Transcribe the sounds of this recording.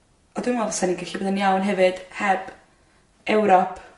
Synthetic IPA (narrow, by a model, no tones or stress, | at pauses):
ɔdwɪmɔvasɛninɡaɬiboːðənjawnɦɛvɨd̥hɛb̥ | ɛwɾɔpʰ